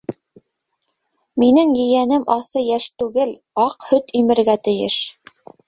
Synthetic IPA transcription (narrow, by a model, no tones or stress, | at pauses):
minɘŋjɘ̆jænɘmʔɑsɤjæʃt̪ʉɡɘl | ɑqhɵt̪imɘ̆ɾɡæt̪ɘ̆jɘ̰ʃ